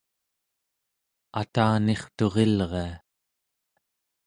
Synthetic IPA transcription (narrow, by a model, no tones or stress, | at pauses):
at̪aːne̞χt̪o̞ʁe̞lʁe̞a